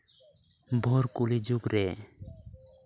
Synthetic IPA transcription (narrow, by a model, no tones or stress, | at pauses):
bʱɔɾkulid͡ʒuɡɾɛ